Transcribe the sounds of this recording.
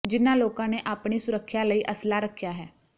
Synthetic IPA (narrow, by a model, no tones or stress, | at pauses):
d͡ʒɪnãloːkãneʔaːpɳisʊɾəkʰːjaləiʔəslaɾəkʰːjaːɦɛː